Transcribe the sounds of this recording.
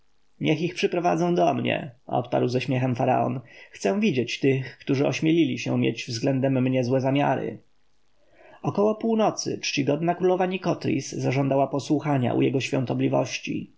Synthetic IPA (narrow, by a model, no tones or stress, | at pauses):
ɲɛxixpʂɘpɾɔvad̪zɛ̃w̃d̪ɔmɲɛ̰ɔ̰t̪pa̰ɾwzɛɕmʲjɛxɛmfaɾa̰ɔ̰nxt̪sɛw̃vʲid͡ʑet͡ɕt̪ɘxkt̪uʐɘɔɕmʲelʲilʲiɕɛ̰̃mʲjɛ̰d͡ʑvzɡlɛnd̪ɛmːɲɛzwɛzamʲja̰ɾɘ̰ | ɔkɔwɔpuwnɔt̪sɘ̰t͡ʂt͡ɕiɡɔd̪nakɾulɔvaɲikɔt̪ɾʲḭsːaʐɔnd̪awapɔswuxaɲa̰ʔṵjɛɡɔɕfʲjɔ̰̃nt̪ɔblʲivɔ̰ɕt͡ɕḭ